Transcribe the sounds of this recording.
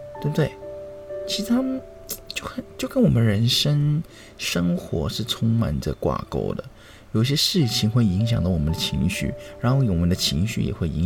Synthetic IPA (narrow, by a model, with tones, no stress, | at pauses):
t̪e˥˧˩bə˧d̪we˥˩ɪt͡ɕʰi˧˥ʂɻ̩˥˩t̪ʰa˥mə˨n | t͡ɕjo˥˩ʊxə˨˩nt͡ɕjo˥˩ʊkə˥nwɔ˨˩mə˦nɻə˧˥nʂə˥ŋ | ʂɤ˥ŋxwɔ̰˧˥ʂɻ̩˥˩t͡sʰʊ˥ŋma̰˨˩ndə̰˧kwa̰˨˩ko̰˥˩ʊd̪ə̰˨ | jo˨˩ʊi˥ɕjɛ˥ʂɻ̩˥˩t͡ɕʰi˧˩ŋxwe˥˩ɪi˧˥ŋɕ̬jɑ˨˩ŋd̪ɑ˧˥wɔ˨˩mə˦nd̪ə˧t͡ɕʰi˧˥ŋɕy̰˥˩ɻa˧˥nxo˥˧ʊjwmə˦nd̪ə˧t͡ɕʰi˧˥ŋɕy̰˥˩jɛ̰˨˩xwe˥˩ɪi˧˥ŋ